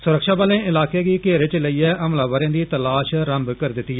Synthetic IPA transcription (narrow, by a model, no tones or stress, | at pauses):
sʊɾəkʃaːbaːlẽːɪlaːkeːɡiːkeːɾet͡ʃləiːɛːʔəmlaːʋəɾẽːd̪iːt̪əlaːʃɾəmbkəɾd̪ɪt̪ːiːɛ